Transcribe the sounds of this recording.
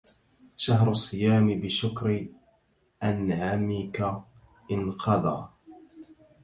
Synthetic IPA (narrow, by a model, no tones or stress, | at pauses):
ʃaɦɾʊsˤːɨjaːmɪbɪʃʊkɾɪ | ʔanʕaːmika | ʔɪnqʰɑd̪ˤɑ̰ː